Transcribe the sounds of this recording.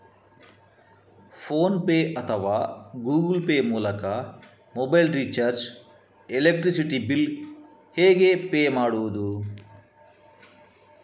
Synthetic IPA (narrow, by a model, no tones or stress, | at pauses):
pʰoːnpeːɐt̪ʰɐʋaːɡuːɡilpeːmuːlɐkɐ | mobɐjlɾit͡ʃɐɾd͡ʒ | elek̚ʈɾisiʈibil | heːɡepeːmaːɽuʋɐd̪u